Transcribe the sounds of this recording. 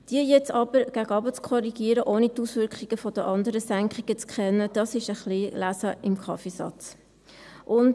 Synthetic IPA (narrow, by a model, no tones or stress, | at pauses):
d̥iəjɛt͡sɑbəɾɡ̥æɡəɑbət͡skʰɔɾiɡ̥iːəɾəʔoːnitusʋʏɾkχiɡ̥əfɔd̥əʔɑnd̪əɾəsæŋkχiɡ̥ət͡skχɛnːəd̥ɑsɪʃəχlilæsəʔɪmkʰɑfisɑ̰t͡s | ʔʊnd